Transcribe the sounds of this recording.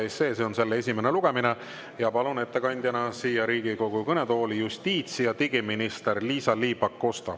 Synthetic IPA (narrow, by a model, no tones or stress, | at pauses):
ese̞ːseo̞nse̞lːee̞s̬ʲimene̞luɡ̥e̞mine | jɑpɑlune̞t̪ːe̞kɑnʲd̪̥ʲjɑnɑsiːjɑɾiːɡ̥iko̞ɡ̥ukɤne̞t̪o̞ːlijust̪iːt̪sijɑt̪iɡiminist̪erliːsɑliːbɑkːo̞st̪ɑ̰